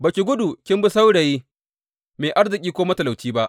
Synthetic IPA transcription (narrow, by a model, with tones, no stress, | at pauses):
bɐ˨kʲi˨ɡʷʊ˦du˨kʲɪ˦mbɪ˦sa˦wɽe˨jiː˦ | meː˨ʔa˦ɽzɪ˨kʲʼiː˦kʷoː˦mɐ˦tɐ˨la˨wtiː˦ba˦ʔ